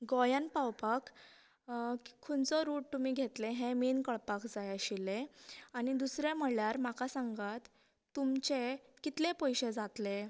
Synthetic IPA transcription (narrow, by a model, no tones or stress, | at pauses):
ɡɔjənpawpak | kʰːunt͡sɔɾuːʈ̚t̪umiːɡʱet̪leɦẽminkəɭpakd͡zajaɕileañid̪usɾem̤əɽljaɾmakasãŋɡat̪ː | umt͡ɕekit̪lepɔjɕed͡zat̪le